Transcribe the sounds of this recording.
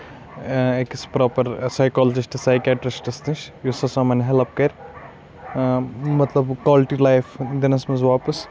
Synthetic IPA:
ekispɾɔːpɐɾsɐjkɔːlɐd͡ʒisʈɐsajkʲaːʈɾisʈɐst̪ɨʃjusɐsɐmɐnɦelɐp̚kɐɾʲ | mɐt̪lɐbkaːlʈilajfʰd̪ɪnɐsmɐzʋaːpɐs

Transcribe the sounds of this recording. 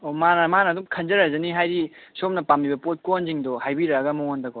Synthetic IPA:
omanɐmanɐːdumkʰɐnd͡ʒɐɾazɐniɦajɾisom̚nɐpambibɐpot̚konziŋdɔhajbiɾɐɐɡɐmɐondɐko

